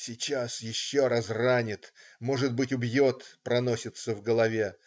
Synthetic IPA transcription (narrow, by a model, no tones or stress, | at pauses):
sʲɪt͡ɕasjɪɕːo̞ɾasranʲɪt̪mo̞ʐɨt̪̚bɨtʲʊbjo̞t̪pɾɐno̞sʲɪt̪səvɡəlˠɐvʲe̞